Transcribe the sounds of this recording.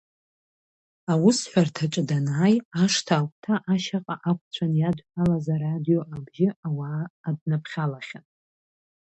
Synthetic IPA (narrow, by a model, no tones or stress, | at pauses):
awʊsħʷᶣartʰat͡ʃʼdanaaːjaʂtʰaːkʷʰʼtʰaʔaʃaqʼaʔakʷʰʼt͡sʷʰanjadʷħalazaɾadijo̞ʔaɡʒɪawaːdnapχʲalaχʲan